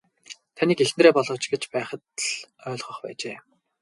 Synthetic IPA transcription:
t̪ʰaniːkexnreːpɔɮʁɞ̆t͡ɕɡet͡ɕpæːχə̆t̪ɮœːɮʁɞ̆χpæ̰ːt͡ɕeː

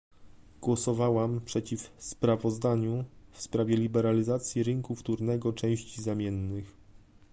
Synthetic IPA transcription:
ɡ̥wɔsɔvawampʂɛt͡ɕifspɾavɔzd̪aɲufspɾavʲjɛlʲibɛɾalʲizat̪sʲjiɾɘŋkuft̪uɾnɛɡɔt͡ʂɛ̃w̃ɕt͡ɕizamʲjɛnːɘx

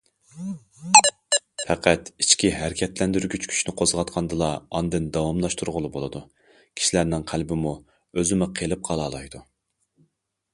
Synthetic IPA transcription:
pʰæqʰæt̪it͡ʃkʲiɦæɾɪkʲʰɛt̪lɛnd̪yɾɡʲyt͡ʃkʲʰy̥ʃnɪqʰozʁɑt̪qʰɑnd̪ɨlˠɑɑnd̪ɪnd̪ɑwɑmlˠɑʃt̪ʰuɾʁʊlˠɨbolˠɨd̪u | kʲʰi̥ʃilæɾnɪŋqʰælbɪmu | øzɪmɪqʰelˠɨp̚qʰɑlˠɑːlˠɑjd̪u

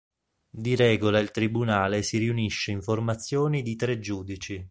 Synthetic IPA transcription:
d̪iɾɛːɡolailt̪ɾibunaːlesiɾiuniʃːeiɱformat̪sːjoːnid̪it̪ɾed͡ʒuːd̪it͡ʃi

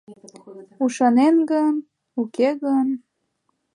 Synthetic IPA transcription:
uʃɑnenɡən | ukeɣən

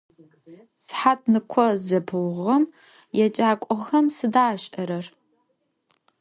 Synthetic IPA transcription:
sħat̚ʰnɨkʷʰɔzɐbʰɨlʁɐm | jɛt͡ʃʼaːkʷʼɔʁxɐmsɨdaːɕʼɐɾɐr

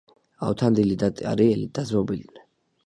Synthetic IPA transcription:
a̰wt̪ʰand̪ilid̪at̪ʼa̰ɾiɛlid̪̥azɔbilnɛ

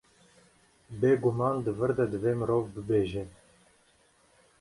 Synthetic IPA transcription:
beːɡumɑːnd̪əvɨɾd̪ɛd̪əveːmɨɾoːvbɨbeːʒɛ

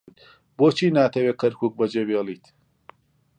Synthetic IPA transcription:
t̪ | boːt͡ʃʰiːnaːt̪ʰɐweːkʰɐɾkʰuːk̚bɐd͡ʒebeːliːt̪

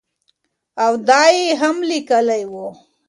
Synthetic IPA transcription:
awd̪ɑːjeɦamlikəlajwo

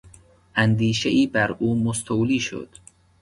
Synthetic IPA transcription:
ʔænd̪iːʃeʔiːbæɾʔuːmost̪ʰowliːʃo̰d̪̥

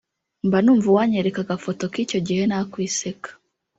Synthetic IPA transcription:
mbanuːɱvuwaɲeɾekaɡafo̞to̞kico̞ɟihe̞nakwiːsekḁ

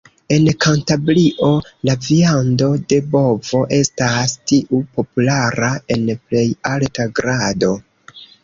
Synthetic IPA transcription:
e̞nkantabɾiʔo̞laviando̞de̞bo̞vo̞ʔe̞stastiʔupo̞pulaɾae̞nple̞jaltaɡɾado̞

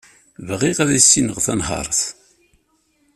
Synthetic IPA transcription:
vʁiʁæðæsːinəʁθænhɑ̰ɾˤθ

